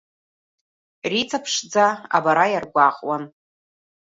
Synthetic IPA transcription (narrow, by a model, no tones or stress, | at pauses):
rit͡sʰʼapʰʂd͡zaa̰baɾajarɡʷaqʼwan